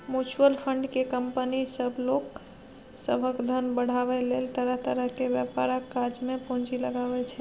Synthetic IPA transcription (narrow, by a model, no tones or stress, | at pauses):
mjut͡ʃuəlpʰəɳɖkekəmpənisəbʱlok | səbʱəkd̪ʱənbəɽ̤aβɛlelt̪əɾəɦt̪əɾəɦkebjəpaɾakːad͡ʒmepũd͡ʒiləɡabɛt͡ʃʰɛ